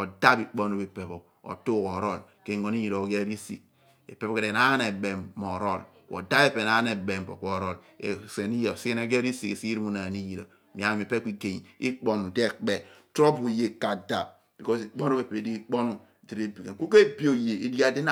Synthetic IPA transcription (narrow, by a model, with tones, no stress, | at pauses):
o˨da˦pi˨k͡po˦n˦o˦be˨pe˨bo˨ | o̰˨tu˦ko˨ɾo˦˨lke˦˨ŋo˨ni˦ji˨ɾo˨ɡe˦ɾi˦sḭ˨k̚ | ḛ˨pe˨˦bo˦ke˨de˨na˦ne˨be˨mo˨ɾo˦˨l | ko̰˨da˦be˦pe˨na˦ne˨be˨m̩˨po̰˨kʷo˦˨ɾo˦˨l | e˨se˨ni˦ji˦˨o˨si˦e˦ne˦ɡe˦ɾi˦si˨ke˨si˦ɾi˦mu˦na˨ni˦ji˨ɾo˨˦m˨a˨n˨me˨pe˦ki˦ke˨ɲi˨i˦k͡po˦nu˨de˦˨k͡pe˨tɾo˦pu˨je˨ka˨da˨ | b̥i˨kɔ˦si˨k͡po˦n˦o˦be˨pe˨di˦i˦k͡po˦nu˦˨di˨ɾe˦bi˨ke˨ku˦ke˦˨bi˦o˨je˨e˦da˦de˦n˦